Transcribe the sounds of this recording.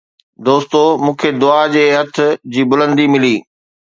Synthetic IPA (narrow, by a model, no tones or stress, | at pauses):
d̪oːst̪omũːkʰed̪ʊad͡ʑeːɦɐt̪ʰʊ̆d͡ʑiːbʊlə̃nd̪imɪliː